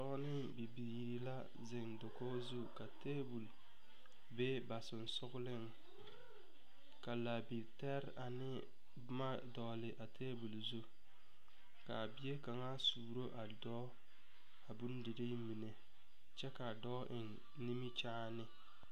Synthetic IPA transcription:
tɔ˦nɪ˦bi˨biː˨ɾi˨la˦ | zɪ˨ŋdo˨ko˦zu˦ka˨te˦bu˨l | be˦ba˨sɪ˨n˨sʊ˦ɣʊ˦lɪ˦ŋ | ka˨la˨bi˨tɛ˦ɾa˨nɪ˦ | bma˦dɔː˨lɪ˨ʔa˨tʰeː˦bu˨lzu˦ | ka˨bi˨je˦ka˨ŋa˦suː˨ɾo˦ʔa˨dɔː˦ | a˨bu˦n˦dɪ˨ɾɪ˦mi˨ne˨ | t͡ʃɛ˦ka˨dɔː˦ʔɪ˨ŋ | ni˦mi˦t͡ʃaː˦nɪ˦

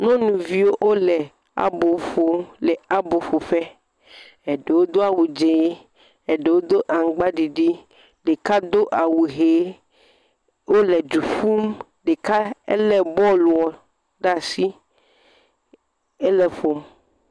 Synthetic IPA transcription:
nɔ̃˦nũ˨vi˦wo˦ʔo˦lɛ˨ | a̰˨bo˨ɸo˦lɛ˨a˨bo˨ɸo˨ɸɛ˦ | e˨ɖe˨wo˦d̪o˦a˨wu˨d͡ʒe˨˦ | e˨ɖe˨wo˦d̪o˦ʔa˨ŋ˨ɡ͡ba˦ɖi˨ɖi˦ | ɖe˨ka˦d̪o˦ʔa˨wu˨ɦe˨˦ | wo˦lɛ˨d͡ʒu˨fu˦m | ɖe˨ka˦ḛ˦lɛ˦bɔ˦lu˨ɔ˨ | ɖa˦˨si˦ | e˦lɛ˨ɸo˨m

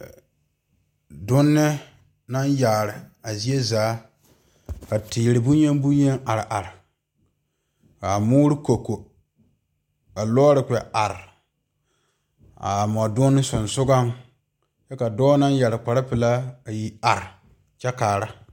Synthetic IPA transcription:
dʊ˦nːɪ˦ | na˦njaː˨ɾɪ˨a˨zi˦e˦zaː˨˦ | ka˨tiː˨ɾɪ˨bu˦ɲe˦ŋ˦bu˦ɲe˦ŋa˨ɾɪ˨ʔa˨ɾɪ˨ | ka˨muː˦ɾɪ˦ko˨ko˨ | ka˨lɔ˦ɾɪ˨kʷɛ˨a˨ɾɪ˨ | a̰˨mɔ˨dʊ˦n˦sʊ˨nsʊ˦ɡa˦ŋ | jɛ˦ka˨dɔː˦na˦nja˨ɾɪ˨k͡pa˨ɾa˦pɨ˨la˦a˨ji˦a˨ɾɪ˨ | t͡ʃɛ˦kaː˨ɾa˦

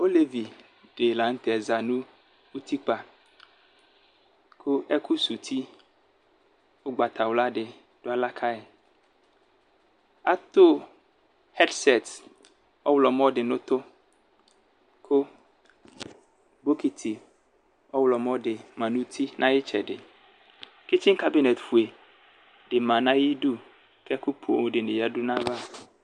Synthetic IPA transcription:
o˦le˦vi˨ | ɖe˨la˨ŋ̩˦t̪ɛ˨ɛ˨za˨nũ˦ | u˦t̪ʰi˦k͡pa˨ | kʰo˦ɛ˦ku˦su˨t̪ʰi˦ | wo˦ɡ͡ba˨t̪a˨wla˦ɖɪ˨ | ɖ̥o˦a˨la˦kʰa˦ɛ˨ | a˦t̪o˦ | hɛ˦dsɛ˨t̪ | ɔ˦wlɔ˨mɔ˦dɪ˨nʊ̃˦t̪ʊ˦ | kʰʊ˦ | bo˦ki˨t̪ʰi˨ | ɔ˦wlɔ˨mɔ˦dɪ˨mã˨nũ˦t̪ʰi˦nʔã˦jɪ˦t͡ʃɛ˨dɪ̰˨ | ki˦t͡ʃi˦ŋka˦bi˦nɛ˨t̪fu˨e˨ | dɪ˨mã˨nã˦ji˦du˦ | kɛ˦ku˦pʰo˨dɪ˨nɪ̃˨ja˦du˦nã˦va˦˨

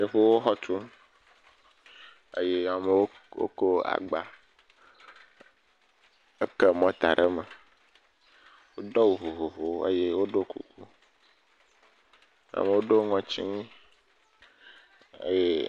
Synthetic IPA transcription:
ɖe˨ɸe˦wo˦xɔ˦t̪u˦ | ḛ˦je˦a˨me˨wo˦ | wo̰˦ko˦a̰˨ɡ͡ba˨ | e˦ke˦mɔ̃˦t̪a̰˨ɖe˦me˨ | wo˦d̪ɔ˦wu˨ɦo˨ɦo˨ɦo˨˦ḛ˦je˦wo˦ɖo˦kṵ˦˨ku˦ | a̰˨me˨wo˦ɖo˦ŋɔ̃˨t͡ʃi˦ŋĩ˦ | ḛ˦je˦

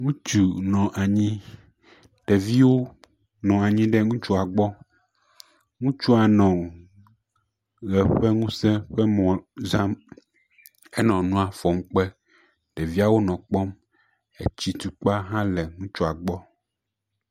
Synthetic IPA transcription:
ŋũ˦t͡ʃu˨nɔ̃˨ʔa˨ɲĩ˦ | ɖ̥ɛ˨vi˦wo˦ | nɔ̃˨a˨ɲĩ˦ɖɛ˦ŋũ˦t͡ʃu˦a˨ɡ͡bɔ˦ | ŋũ˦t͡ʃu˦a˨nɔ̃˨ | ɣɛ˨ɸɛ˦ŋũ˦sɛ̃˦ɸɛ˦mɔ̃˨zã˦m | e˦nɔ̃˨nũ˦a˨fɔ˨m̩˦k͡pɛ˦ | ɖɛ˨vi˦a˦wo˦nɔ̃˨k͡pɔ˦m | ḛ˨t͡ɕi˦t̪u˨k͡pa˦ɦã˦lɛ˨ŋũ˦t͡ʃu˦a˨ɡ͡bɔ˦

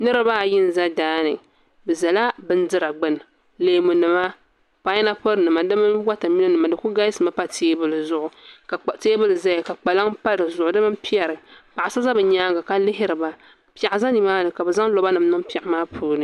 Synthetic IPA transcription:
nɨ˦ɾɨ˦baː˦˨jɪ˦n˨za˦daː˦nɨ˨ | bɨ˨za˨la˦bɨ˦n˦dɨ˦ɾa˨ɡ͡bɨ˦n˨ | leː˨mu˨nɨ˨ma˦ | k͡pa˨˦ɛ˦na˦po˦ɾnɨ˨ma˨dɨ˦mɨ˦nwa˦ta˨mi˦na˦nɨ˨ma˨dɨ˨ku˦ɡa˦jsɨ˨ma˦pa˦tʰeː˦bɨ˦lɨ˨zʊ˨ʔʊ˨ka˨teː˦bɨ˦lɨ˨za˦ja˨ka˨k͡pa˨la˦ŋpa˦ɾɨ˨zʊ˨ʔʊ˨dɨ˦mɨ˦n˦pi˦ɛ˨ɾɨ˨pa˨ʔa˨sa˦za˦bɨ˨ɲaː˦ɡa˨ka˨lɪ˦ɦɪ˦ɾɨ˨ba˨ | pi˨a˨ʔɪ˨za˦ni˨maː˦nɨ˨ka˨bɛ˨za˦ŋ˦lo˦ba˦nɨ˨m˦nɨ˦ŋpi˨ɛ˨˦maː˦pʰuː˦nɨ˨

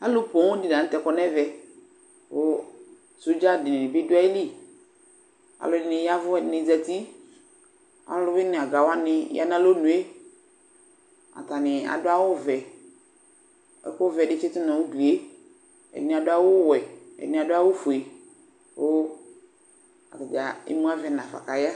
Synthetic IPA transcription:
a˦lʊ˦po˨ŋo˦di˨nã˨n̩˦t̪ɛ˨kɔ˨nɛ˦vɛ˨ | wo˦ | so˦d͡ʒa˦˨dɪ˨nɪ̃˨nɪ̃˨bɪ˦dʊ˦a˦i˦li˦˨ | a̰˨lʊ˦dɪ˦nɪ˨ja˦vʊ˦˨nɪ˨zɛ˨t̪i˦ | a̰˨lʊ˦bɪ˦nɪ̃˨a˨ɡa˨wa˦nɪ˦ja̰˦n˦ã˦lo˦nũ˨˦e˦ | a̰˨t̪a˨nɪ˨a̰˨dʊ˦a˦wʊ˦vɛ˨ | ɛ̰˦kʊ˦vɛ˨ɖɪ˦t͡ʃe˦t̪ʊ˦nã˨wu˦di˨e˦ | ɛ̰˨nĩ˨a˨dʊ˦a˦wʊ˦wɛ˨ɛ̰˨dnĩ˨a˨dʊ˦a˦wo˦fu˨e˨ | wo˦ | a̰˨ta˨ɡa˨ḭ˦mũ˦a˦vɛ˨nã˨fa̰˨ka˨ja˦

